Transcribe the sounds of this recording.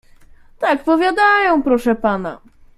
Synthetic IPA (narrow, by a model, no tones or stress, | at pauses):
t̪ak̚pɔvʲjad̪ajɔ̃w̃pɾɔʂɛpana